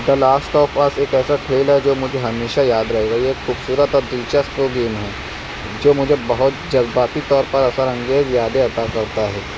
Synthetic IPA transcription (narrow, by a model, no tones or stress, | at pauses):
d̪ɐlaːsʈɔːpaseːkɛːsaʈʰeːlɦɛd͡ʒoːmʊd͡ʒʱeɦɐmeːʃajaːd̪ɾɐɦeːɡaieːkxuːbsuːɾət̪ɔːɾd̪iːt͡ʃaspɾoːɡiːnɦɛː | d͡ʒoːmʊd͡ʒʱebɐɦʊt̪d͡ʒɐzbaːt̪it̪ɔːɾpɐɾɐsəɾɐ̃ŋɡeːzjaːd̪eɐt̪akɐɾt̪aɦɛː